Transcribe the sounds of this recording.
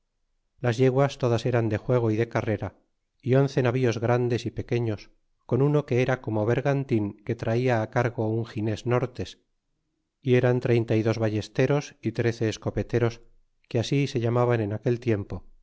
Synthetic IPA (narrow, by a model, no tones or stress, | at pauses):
lazʝe̞ɣwast̪o̞ðase̞ɾand̪e̞xwe̞ɣ̞o̞iðe̞kare̞ɾa | io̞nθe̞naβio̞zɣɾand̪e̞sipe̞ke̞ɲo̞s | ko̞nuno̞ke̞eɾako̞mo̞β̞e̞ɾɣant̪iŋke̞t̪ɾaiaːkaɾɣo̞uŋxinezno̞ɾt̪e̞s | ie̞ɾant̪ɾe̞jnt̪aiðo̞zβaʝe̞st̪e̞ɾo̞sit̪ɾe̞θe̞ːsko̞pe̞t̪e̞ɾo̞s | keasise̞ʎamaβane̞nake̞lt̪je̞mpo̞